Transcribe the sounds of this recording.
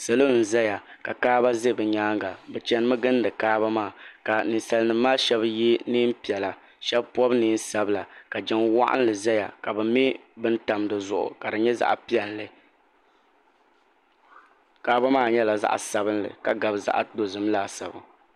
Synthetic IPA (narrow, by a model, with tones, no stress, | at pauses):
sɨ˨lɨ˦n̩˨zɛ˦ja˨ka˨kaː˦ba˦ze˦˨bɨ˨ɲaː˦ŋɡa˨bɛ˨t͡ʃɛ˦nɨ˦mɨ˦ɡɨ˦n˦dɨ˨kaː˦ba˦maː˦˨ka˨nɨ˨nsa˨lnɨ˨mːaː˦ʃɛ˦bji˦niː˦m˦pi˨ɛ˨la˨ | ʃɛ˦bpɔ˦bniː˦n˦sa˦bla˨ka˨d͡ʒɛ˦ŋwa̰˦ʔa̰˦n˦lɨ˨zɛ˦ja̰˨ka˨bɨ˨mi˦bɨ˦n̩˦ta˨mdɨ˨zʊ˨ʔʊ̰˨ka˨dɨ˨ɲɛ˦za̰˨ʔpi˦ɛ˨nlɨ˨ | kaː˦ba˦maː˦˨ɲɛ˦la˨za̰˦ʔsa˨bɨ˦nlɨ̰˨ka˨ɡa˨bza̰˦˨ʔa˨do˨zɨ˨m˦laː˦˨sa˨bɨ˨